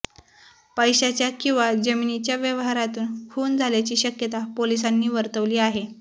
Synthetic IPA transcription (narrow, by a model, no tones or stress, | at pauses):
pəjɕat͡ɕjakĩw̃ʋad͡ʑəminit͡ɕjaʋjəʋɦaɾat̪uːnkʰuːnd͡zʱaljat͡ɕiːɕəkjət̪apolis̬anːiːʋəɾt̪əʋliːaɦe